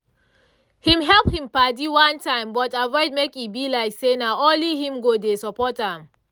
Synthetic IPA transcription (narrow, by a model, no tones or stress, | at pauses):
hĩmɦɛlphĩmpadiwãntãɪ̃mbɔtavɔɪd̚mekibilaɪksenaolihĩmɡodesɔpɔtãm